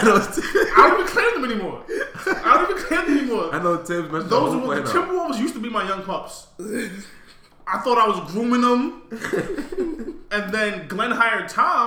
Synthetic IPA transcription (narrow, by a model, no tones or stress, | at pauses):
anoʊaɪõʊ̃nivɨ̃nkʰl̥ẽd̪ðə̃mɛnimɔɹaɾõnivɨnkʰl̥ɛ̃nðɛnimɔɹaɪnoʊtʰɪ̃mzmɛðoʊzəwltʰɪ̃mwɔzjʉstəbimaɪjʌ̃ŋkʰl̥ʌb̥s | ʔaɪθɔɾaɪwʌzɡɹũmɪ̃ŋə̃m | ɨ̃nðɨ̃nɡlɛ̃nɦaɪə˞d̚tʰã